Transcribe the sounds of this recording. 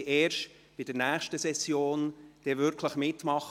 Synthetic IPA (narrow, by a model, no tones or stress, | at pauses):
eːɾʃt | pɪd̥əɾnæːχʃtəsɛsjoːnd̪̥ɛvʏɾkʰləχmɪtmɑχ